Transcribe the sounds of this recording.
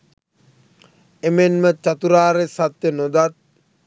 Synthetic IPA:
emenmət͡ʃat̪uɾaːɾesat̪ːenod̪at̪̚

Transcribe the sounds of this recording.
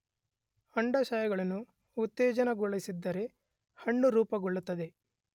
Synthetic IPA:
ɐɳɖɐʃɐjɐɡɐɭɐnːuː | t̪ːeːd͡ʒɐnɐɡɔɭːisid̪ːɐɾe̞ | hɐɳːuɾuːpɐɡɔɭːut̪ːɐd̪e̞

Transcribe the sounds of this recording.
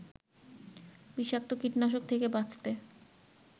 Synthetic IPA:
biʃak̚t̪okiʈnaʃ̬ok̚t̪ʰekebat͡ɕt̪e

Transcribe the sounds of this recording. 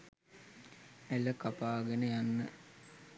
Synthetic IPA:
æləkapaːɡenəjanːə

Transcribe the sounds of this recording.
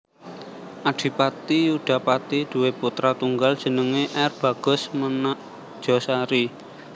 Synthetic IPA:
ʔaɖ̥i̤pat̪ijuɖ̥a̤pat̪id̪̥ṳweput̪ɾat̪uŋɡald̥ʒ̥ə̤nəŋeʔɛrb̥ä̤ɡ̥ʊ̤smənaʔ | d̥ʒ̥ɔsaɾi

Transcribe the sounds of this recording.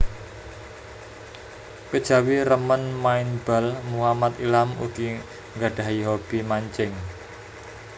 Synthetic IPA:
kəd̥ʒ̥ä̤wiɾəmənmaɪnb̥a̤lmuhamat̪ilamṵɡ̥i | ŋɡaɖ̥a̤ɦiɦob̥imaɲt͡ʃɪŋ

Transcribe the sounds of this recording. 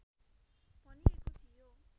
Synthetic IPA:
bʱʌniekot͡sʰijo

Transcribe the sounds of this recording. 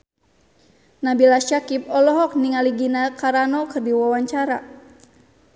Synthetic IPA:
nabilaʃakip̚ɔlɔɦɔk̚niŋaliɡinakaɾanɔkɨrdiwawaɲt͡ʃaɾa

